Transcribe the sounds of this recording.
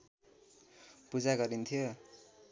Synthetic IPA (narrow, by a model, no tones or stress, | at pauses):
pud͡zaɡʌɾint̪ʰijo